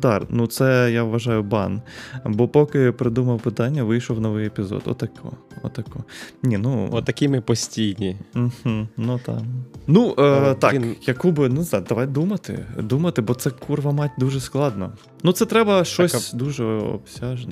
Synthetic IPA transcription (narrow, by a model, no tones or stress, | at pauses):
d̪ɑrnut̪sɛjaʋʋɐʒɑjʊbɑ̰nbɔpɔkɪpɾɪd̪umɐwpɪt̪ɑnʲːɐʋɪjʃɔwnɔʋɪjepʲizɔ̰t̪ɔ̰t̪ːɐkɔ̰ɔ̰t̪ːɐkɔnʲinut̪ɐkʲɪmɪpɔsʲtʲijnʲim̩h̩nut̪ɑ̰nut̪ɑjɐkubɪnuzad̪ɐʋɑjt̪d̪umɐt̪ɪ̰d̪umɐt̪ɪbɔt̪sɛkʰurʋɐmɑtʲd̪uʒɛsklˠɑd̪nɔ̰ | nut̪sɛt̪ɾɛbɐʃt͡ʃɔsʲd̪uʒɛɔ̰bsʲaʒen